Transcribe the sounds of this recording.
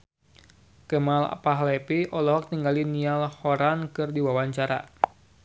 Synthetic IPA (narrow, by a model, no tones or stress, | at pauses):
kəmala̰paɦlɛpiɔlɔɦɔk̚t̪iŋɡalinialhɔɾankɨrdiwawaɲt͡ʃaɾa̰